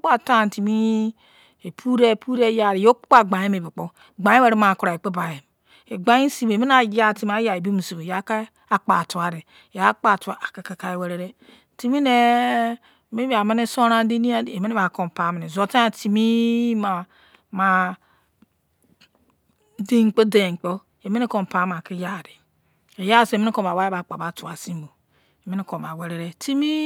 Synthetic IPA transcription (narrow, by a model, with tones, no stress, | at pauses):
k͡pa˨ta˦˨n˨ti˨mi˦ | e˨pʰu˦ɾe˦˨pu˦ɾe˦ja˨ɾi˨jo˦k͡pk͡pa˨ɡ͡ba˨e˦me˨bi˨k͡po˦ | ɡ͡ba˨˦e˦we˦ɾe˦ma˨ku˨ɾa˨e˨k͡pe˦ba˨je˨m | e˨ɡ͡ba˦i˦si˦be˨mi˦n˦a˨ja˦ti˨m˨˦a˦ja˨e˨bi˦mu˨si˨be˨ja˨˦ka˦ | a˨k͡pa̰˨tu˨a˨ɾe˨ | ja˨˦k͡pa˦˨tu˨˦a˨a˨ka˨ka˨ka˦e˨we˨ɾe˨ɾe˦ | ti˦mi˦ne˦˨ | me˦ba˨me˦ne˦so˦ɾa˦di˦ni˦a˦˨e˨me˦e˦ba˨ko˨m˨pa˨˦m˨ne˨zo˨ta˦a˨ti˨mi˦ma˨ | ma˨ | de˦˨ŋ͡mk͡po˦de˨k͡po˦ | e˨me˦ne˦ko˨m˨pa˨˦m˨a˨ki˦ja˨di˨ | e˨ja˦˨si˦˨me˦ko˨a˨wa˦e˦ba˨k͡pa˨ba˨˦tu˨a˨si˦m˦bo˨ | e˨me˦ni˦ko˨ba˨we˨ɾe˦ɾe˦ti˦mi˦